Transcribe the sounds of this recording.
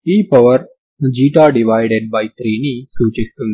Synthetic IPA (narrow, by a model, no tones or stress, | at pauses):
iːpɐʋəɾ | d͡ʒiːʈaɖiʋajɖeɖ̚bajt̪ɾeːnisuːt͡ʃest̪un